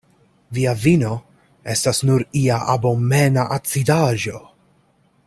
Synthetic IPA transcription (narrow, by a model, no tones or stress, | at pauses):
viavino̞ | e̞stasnuɾiaʔabo̞menaʔat͡sidaʒo̞